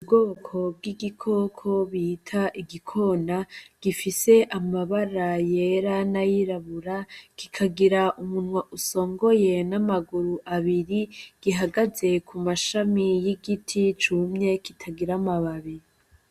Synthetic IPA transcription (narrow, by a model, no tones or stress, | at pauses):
ub̚ɡokʰo̞b̚ɡiɡikʰo̞ːkʰo̞βitʰaʔiɡikʰo̞naɡ̥ifise̞ʔamaβaɾaje̞ɾanajiɾaβuɾaki̥kʰaɡiɾaʔumunwaʔuso̞ːŋɡo̞je̞namaɡuɾuʔaβiɾiɡ̥iɦaɡaze̞kumaʃamijiɡitʰit͡ʃumɲe̞kitʰaɡiɾamaβaβi